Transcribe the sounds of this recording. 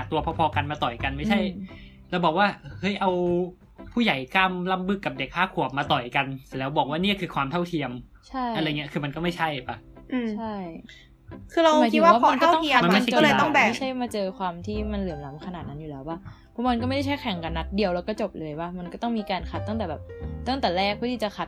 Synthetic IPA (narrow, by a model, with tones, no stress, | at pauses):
a˨˩t̪u˧ɐpʰɔ˧pʰɔː˧ka˧nmaː˧t̪ɔ˨˩jka˧nma˥˩jt͡ɕʰa˥˩j | laː˧˥wbɔː˨˩k̚waː˥˩ʔhɤ˦˥jʔa˧w | pʰuː˥˩ja˨˩˦jkaː˥˩mla˥˩mbɯ˦˥˩kːa˨˩p̚de˨˩k̚ʰːaː˥˩kʰu˨˩əp̚maː˧t̪ɔ˨˩jka˧nslɛː˦˥wbɔː˨˩k̚waː˥˩˧ni˥˩ɐkʰɯː˧kʰwaː˧mt̪ʰa˥˩wt̪ʰi˧əm | t͡ɕʰa˥˩ʔɾa˧ŋi˦˥ɐkʰɯː˧ma˧nkɔ˥˩ma˥˩jt͡ɕʰa˥˩jba˦˥˩ʔːmt͡ɕʰa˥˩j | kʰɯː˧ɾa˧wma˨˦i˦˨wa˥waː˥˩˧a˧nk̪kɔ˥˩t̪ɔ˥ŋʰ˧əmm˧ma˥˩˧a˥t͡ɕːt̪ɔ˥˩ŋbɛː˨˩˦t͡ɕʰa˥˩jmaː˧t͡ɕɤː˧kʰwaː˧mt̪ʰiː˥˩ma˧nlɯ˨˩˦əmla˨˦mkʰa˧na˨˩t̪̚na˦˥nju˨˩lɛː˦˥wa˦˥˩ | pʰɔ˦˥ma˧nkɔ˥ma˥˩jda˥˩a˥˩jkʰɛ˨˦ŋka˧nːa˦˥t̪̚di˧əwlɛː˧˦˥wkɔ˥˩t͡ɕo˨˩p̚lɤː˧jwa˥˩ma˧nkɔː˥˩t̪ɔ˥˩ŋmiː˧kaː˧nkʰa˨˩t̪ːa˥˩ŋt̪ɛː˨˩bɛː˨˩p̚t̪a˥˩ŋt̪ɛː˨˩lɛː˥˩k̚pʰu˥˩t̪ʰiː˥˩t͡ɕa˨˩kʰa˨˩t̪̚